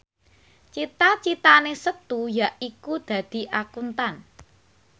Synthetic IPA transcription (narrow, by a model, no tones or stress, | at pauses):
t͡ʃit̪at͡ʃit̪anesət̪ujaʔikud̪̥ä̤d̪̥i̤ʔakunt̪an